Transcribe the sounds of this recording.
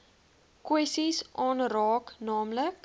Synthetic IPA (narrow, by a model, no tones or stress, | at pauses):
kwɛsisʔɑːnrɑːknɑːmlək